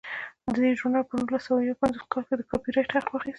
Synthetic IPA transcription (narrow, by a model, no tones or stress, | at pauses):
d̪əd̪ed͡ʒoɾnalpənulasawajawpanzoskɑlked̪əkɑpiɾajʈhaqtwɑxist̪